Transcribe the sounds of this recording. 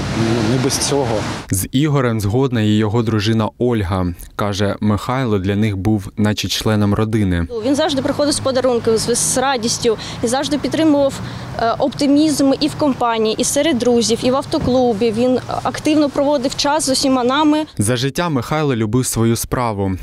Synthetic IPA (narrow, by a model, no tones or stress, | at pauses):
nunɛbɛst͡sʲɔɦɔziɦɔɾɛmzɦɔd̪nɐjɛjɔɦɔd̪ɾʊʒɪnɐɔlʲɦɐ | kɑʒɛmɪxɑjlˠɔd̪lʲɐnɪxbuwnɑt͡ʃit͡ʃlˠɛnɔmrɔd̪ɪnɪʋʲinzɑwʐd̪ɪpɾɪxɔd̪ɪwspɔd̪ɐɾunkɪzrɑdʲisʲtʲʊ | inzɑwʐd̪ɪpʲt̪ːɾɪmʊʋɐw | ʔɔpt̪ɪmʲizmɪʔiwkɔmpɑnʲijiʔisɛɾed̪̚ɾuzʲiwiʋɐwt̪ɔklˠubʲiʋʲinɐkt̪ɪwnɔpɾɔʋɔd̪ɪwt͡ʃɑszʊsʲimɑnɑmɪzɐʒɪtʲːamɪxɑjlˠɔlʲʊbɪwsʋɔjuspɾɑʋʊ